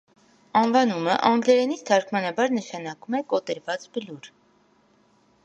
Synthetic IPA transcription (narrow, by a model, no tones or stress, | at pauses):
ɑnvɑnumə̰ʔɑŋɡlɛɾɛnit͡sʰt̪ʰɑɾkʰmɑnɑbɑɾnəʃɑnɑkumɛkɔt̪ɛɾvɑt͡sbəluɾ